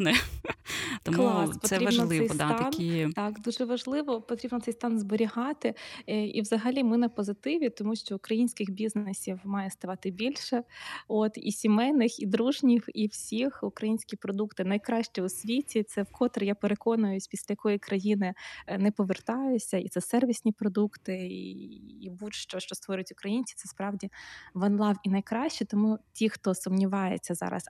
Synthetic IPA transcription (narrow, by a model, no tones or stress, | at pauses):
nɛ | t̪ɔmklˠɑspɔt̪ɛɾiɐbʒnɔlˠsɪɛj̪t̪ɑɐnit̪ɑkd̪uʒɛʋɐʒlˠɪʋɔpɔt̪ɾʲibnɔt̪sɛjst̪ɑnzbɔɾʲiɦɑt̪ɪḭʋzɐɦɐlʲimɪnɐpɔzɪt̪ɪʋʲit̪ɔmuʃt͡ʃɔʊkɾɐjinʲsʲkʲɪxbʲiznesʲiwmɑjɛst̪ɐʋɑt̪ɪbʲilʲʃɛot̪ḭsʲimɛnɪxid̪ɾuʒnʲiwiwsʲixʊkɾɐjinʲsʲkʲipɾɔd̪ukt̪ɪnɐjkɾɑʃt͡ʃɛʊsʲʋʲitʲit̪sɛwkɔt̪ɾjapeɾekɔnʊjʊsʲpʲisʲlʲɐjɐkɔjikɾɐjinɪnɛpɔʋert̪ɑjʊsʲɐḭt̪sɛsɛrʋʲisʲnʲipɾɔd̪ukt̪ɪ | ibutʃt͡ʃɔʃt͡ʃɔst̪ʋɔɾʲʊtʲʊkɾɐjinʲt͡sʲi̥t̪sɛspɾɑwdʲiʋɐnlˠɑwinɐjkɾɑʃʲt͡ʃɛt̪ɔmutʲixt̪ɔsʊmnʲiʋɑjḛt͡sʲːɐzɑ̰ɾɐ̰s